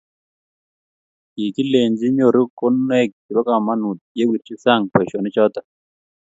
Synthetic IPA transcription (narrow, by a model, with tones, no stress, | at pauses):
ki˨ki˦le˨ɲd͡ʒi˦ɲo˨ɾo˦ko˦nɛ˦˨k̚d͡ʒu˨ɾo˦ka˨ma˦nu˨t̪̚je˦wi˨ɾt͡ʃi˦sa˦˨ŋpwɛ˨ʃɔ˨nɪ˦t͡ʃɔ˦t̪a˦